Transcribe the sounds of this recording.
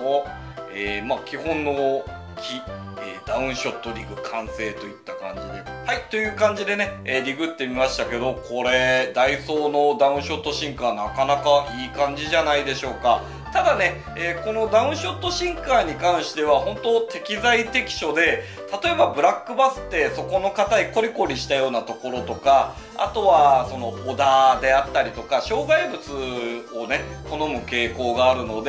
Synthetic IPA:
o | eːmakʲihõ̞nːo̞ | kʲʰi | eːd̪aɯ̟̃ɰ̃ɕo̞t̪ːo̞ɾʲiɡɯ̟kʰãɰ̃se̞ːt̪o̞it̪ːakã̰ɲ̟d͡ʑid̪e̞̰ | hait̪o̞jɯ̟ːkãɲ̟d͡ʑid̪e̞ne̞eːɾʲiɡɯ̟t̪ːe̞mʲimaɕi̥t̪ake̞d̪o̞kʰo̞ɾe̞d̪aiso̞ːno̞d̪aɯ̟̃ɕo̞t̪ːo̞ɕĩŋkaːnakanakaʔiːkãɲ̟d͡ʑiʑanaid̪e̞ɕo̞ːka | t̪ad̪ane̞ | eko̞no̞d̪ãɯ̟̃ɰ̃ɕo̞t̪ːo̞ɕĩŋkaːɲ̟ikãɰ̃ɕi̥t̪e̞β̞ahõ̞nt̪o̞t̪e̞kʲizait̪e̞kʲi̥ɕo̞d̪e̞ | t̪at̪o̞e̞babɯ̟ɾakːɯ̟basɨ̥t̪ːe̞so̞ko̞no̞kat̪aiko̞ɾʲiko̞ɾʲiɕi̥t̪ajo̞ːnat̪o̞ko̞ɾo̞t̪o̞ka | a̰t̪o̞βaso̞no̞ːd̪ad̪e̞at̪ːaɾʲit̪o̞kaɕo̞ːɡaibɯ̟t͡sɨo̞ne̞t̪o̞no̞mɯ̟ke̞ːko̞ːɡaːɾɯ̟no̞d̪e

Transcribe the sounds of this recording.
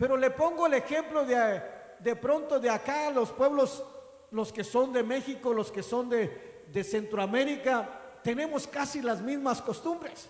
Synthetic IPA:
pe̞ɾo̞lepo̞ŋɡoele̞xe̞mplo̞ðea | d̪epɾo̞nt̪o̞ðeakalospwe̞βlos | loske̞so̞nd̪e̞me̞xiko̞lo̞skeso̞nd̪e | ðese̞nt̪ɾoame̞ɾikat̪ene̞mo̞skasilazmizmasko̞st̪umbɾes

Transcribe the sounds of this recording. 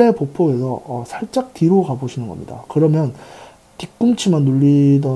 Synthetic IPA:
epopʰoɡe̞sʰʌʌsʰaɭt͡ɕ͈ak̚tiɾoɡaboɕʰinɯnɡʌmɲḭda̰kɯɾʌmjʌn | kik̚k͈umt͡ɕʰimanːuʎːidʌ

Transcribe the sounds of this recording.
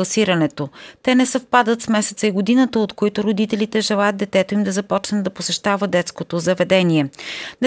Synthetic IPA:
ɐsiɾɐnɛt̪ot̪ɛnɛsɐfpad̪ət̪smɛsɛt̪səiɡod̪inət̪əot̪koit̪oɾod̪it̪ɛlit̪ɛʒɛlˠajət̪d̪ɛt̪ɛt̪oimd̪ɐzɐpɔt͡ʃnəd̪ɐposɛʃt̪avəd̪ɛt̪skot̪ozɐvɛd̪ɛniɛnɛ

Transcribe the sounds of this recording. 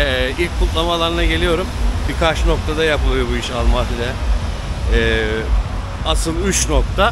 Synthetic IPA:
ilʲc̚kʰːulˠt̪lˠamalˠaɾɯnaɟe̞lʲijo̞ɾumbikʰat͡ʃno̞k̚t̪ʰad̪ajapɯlˠɯjo̞buiʃalˠmaːt̪ʰɯlʲɛ | asɯlˠyt͡ʃno̞k̚t̪ʰa

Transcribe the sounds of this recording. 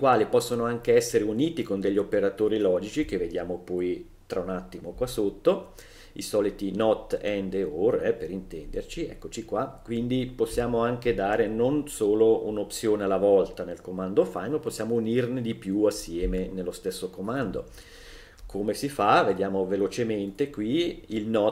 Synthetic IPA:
ikwaːlipɔsːonoaŋkeɛsːeɾeuniːt̪ikond̪eʎːiopeɾat̪oːɾilɔːd͡ʒit͡ʃik̟evːed̪jaːmopɔj | t̪ɾaunat̪ːimokwasːot̪ːo | ḭsɔːlit̪inɔt̪ːɛnd̪eoɾɛpeɾint̪ɛnd̪ert͡ʃiɛ̰kːot͡ʃikwakwind̪iposːjaːmoaŋk̟ed̪aːɾenonsoːlounop̪sjoːnealːavɔlt̪anelkomand̪ofajnopːosːjaːmounirned̪ipjuasːjɛːmenelːost̪esːokomand̪o̰ | kʰomesifaved̪jaːmovelot͡ʃement̪ekwiilnɔ

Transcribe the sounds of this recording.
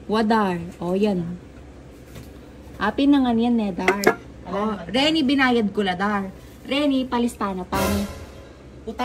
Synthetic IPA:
wɐd̪aɹʔoːjan | ʔapɪnɐŋɐnjanːɛd̪aɾ | ʔoɾɛnibɪnaːjɐd̪̚kolɐd̪aɾ | ɾɛnipɐlɪst̪aːnɐpani

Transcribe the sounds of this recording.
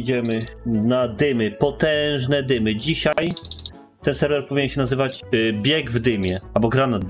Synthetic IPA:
d͡ʑɛmɘnad̪ɘmɘpɔt̪ɛ̃ʐnɛd̪ɘmɘd͡ʑiɕaj | t̪ɛnsɛɾvɛɾpɔvʲiɲɛnɕɛnazɘvad͡ʑbʲjɛɡvd̪ɘmʲjɛalbɔɡɾana

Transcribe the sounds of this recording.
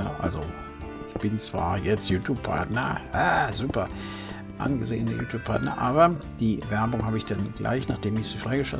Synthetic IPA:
əʔa̰lzo | ʔɪçb̥ɪnt͡sv̥a̰ːɐjɛt͡stjuːtʰjuːppʰa̰ɐtnɐhaːzuːpɐ | ʔa̰nɡəzḛːənəjuːtʰuːpʰaɐtnɐ̰ʔaːβɐd̥iːvɛɐbʊŋhaːbəɪçd̥anɡ̥la̰ɪçnaχd̥eːmɪçz̥ifʁ̥aɪɡəʃa̰

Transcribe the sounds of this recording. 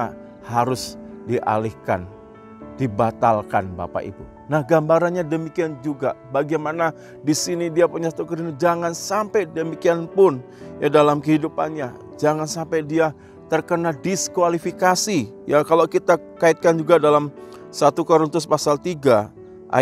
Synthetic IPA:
haɾʊsdiʔa̰lihka̰n | dibat̪alkanba̰pa̰ʔḭt̪ṵ | nahɡambaɾanɲadəmikiand͡ʒuɡabaɡimana | disinidiapuɲasat̪ukəɾinid͡ʒaŋansampajdəmikianpʊn | jadalamkəɦidupa̰nɲa | d͡ʒaŋansampajdia | t̪ərkənadiskualifikasi | jakalokit̪a | kait̪̚kand͡ʒuɡadalam | sat̪ukoɾunt̪ʊspasalt̪iɡa | ʔa̰

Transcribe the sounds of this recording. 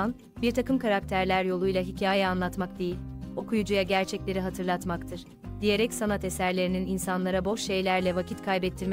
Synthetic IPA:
an | biɾt̪ʰakɯmkʰaɾak̚t̪ʰæɾlʲæɾjo̞lˠujlˠaɦicʰaːjɛanlˠat̪mak̚d̪ejilʲo̞kʰujud͡ʒujaɟæɾt͡ʃʰɛclʲe̞ɾiɦat̪ʰɯɾlˠat̪makt̪ʰɯɾ̥ | d̪̥ijeɾɛcsanat̪esæɾlʲe̞ɾinininsanlˠaɾabo̞ʃʃe̞jlʲæɾlʲɛvacʰit̪kʰajbɛt̪ʰːiɾm

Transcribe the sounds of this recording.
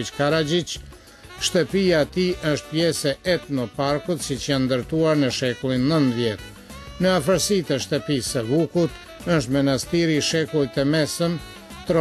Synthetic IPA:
it͡ʃkaɾad͡ʒit͡ʃ | ʃt̪əpiaɛt̪iʔəʃt̪̚pjɛsɛʔɛt̪nɔpaɾkut̪sit͡ʃjand̪əɾt̪uaɾnəʃɛkulˠinːənðjɛt̪ | nəafəɾsit̪əʃt̪əpisəvukut̪ | əʃ̬t̪mɛnast̪iɾiʃɛkulˠit̪əmɛsəm | t̪ɾɔ

